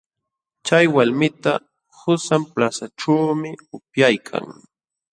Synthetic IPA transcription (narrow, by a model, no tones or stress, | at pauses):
t͡ʃajwalmɪt̪a | hʊsamplasaʈ͡ʂawmɪʊpjajkʰa̰ŋ